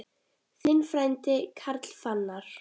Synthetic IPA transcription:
θɪnfɾajnt̪ɪkʰaɾt̪l̥fanːaɾ̥

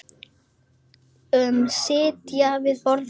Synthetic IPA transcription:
ʏmsɪːt̪javɪðpɔɾð

